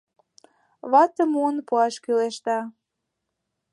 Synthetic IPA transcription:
βɑt̪ə̆muənpuɑʃkyleʃt̪ɑ

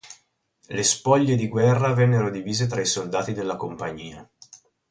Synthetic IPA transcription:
lespɔʎːed̪iɡwɛrːavɛnːeɾod̪iviːzet̪ɾaisold̪aːt̪id̪elːakompaɲːiːa

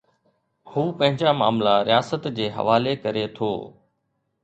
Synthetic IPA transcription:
huːpɐ̃ɦɪ̃ɲd͡ʑama̰ːmlaɾijaːsət̪d͡ʑeːɦɐ̰ʋaːlekɐɾet̪ʰo̰ː

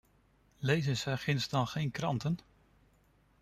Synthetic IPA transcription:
lejzəsɛχɪnsdɑnˠχejnkrɑntən

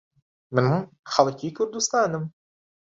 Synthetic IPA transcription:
mɪnhʊmxɑlˠkiːkʊɾd̪ʊst̪aːnəm

